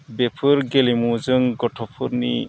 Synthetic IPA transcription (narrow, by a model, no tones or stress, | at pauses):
bepʰɯɾɡelimuzɯŋɡɔtʰɔpʰɯɾni